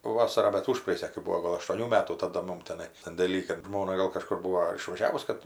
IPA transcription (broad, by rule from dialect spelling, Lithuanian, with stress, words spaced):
ˈʋɑːsɐrɑː bʲɛt ˈʊʃprɐeːjʊsʲæː kɐɪ ˈbuːoː ˈɡoːlˠ ɐʃtuɔˈnʲuː ˈmʲæːtuː tɐˈdɐ ˈmʊm tʲɛˈnɐɪ sɐnʲdʲeːˈlʲiː kɐt ˈʒmoːnɐ ɡɐlˠ kɐˈʃkʊr ˈbuːoː ɐr ɪʃʋɐˈʒʲæːʋʊs ˈkɐt